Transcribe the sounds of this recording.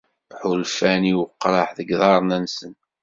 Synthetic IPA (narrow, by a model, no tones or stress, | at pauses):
ħulfæniwqːɾˤɑħðəɡðˤɑɾˤnænsən